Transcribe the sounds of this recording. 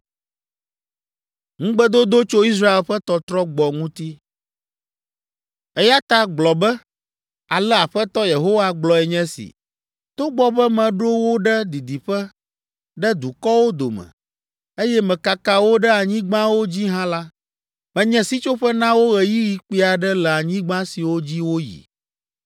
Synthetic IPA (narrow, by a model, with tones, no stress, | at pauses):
ŋũ˦ɡ͡bɛ˦d̪o˦d̪o˦t͡ʃo˦i˦s̬ɾa˦e˨lɸɛ˦t̪ɔ˦t̪ɾɔ˦ɡ͡bɔ˨ŋũ˦t̪i˦ | ɛ˦ja˦t̪a˦ɡ͡blɔ˨bɛ˦ | a˨lɛ˦a˨ɸɛ˦t̪ɔ˦je˨ɦo˦wa˦ɡ͡blɔ˨ɛ˨ɲɛ̃˦sḭ˨ | t̪o˦ɡ͡bɔ˦bɛ˦mɛ̃˨ɖo˦wo˦ɖɛ˦d̪i˨d̪i˨ɸɛ˦ | ɖɛ˦d̪u˨kɔ˦wo˦d̪o̰˨mɛ̰̃˨ | e˦jɛ˦mɛ̃˨ka˨ka˦wo˦ɖɛ˦a˨ɲĩ˦ɡ͡bã˦wo˦d͡ʑi˦ɦã˦la˦ | mɛ̃˨ɲɛ̃˨si˦t͡ʃo˦ɸɛ˦nã˦wo˦ɣɛ˨ji˦ji˨k͡pi˦a˨ɖɛ˦lɛ˨a˨ɲĩ˦ɡ͡bã˦si˨wo˦d͡ʑi˦wo˦jḭ˨